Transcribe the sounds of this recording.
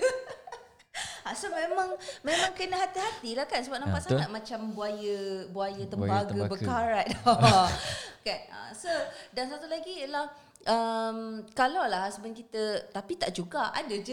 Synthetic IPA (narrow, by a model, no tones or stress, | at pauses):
asomẽmãŋmemãŋkənəɦat̪iɦat̪ilahkansəbap̚napaʔ̪saŋat̪̚mãt͡ʃambuajəbuajət̪əmbaɡ̪əbəkaɾaʔ̪̚dɔ | kanə̰sodansat̪ulaɡiəlah | ʔəmkalawlahsəbənkit̪ət̪apit̪aʔd͡ʒuɡaʔa̰dəd͡ʒ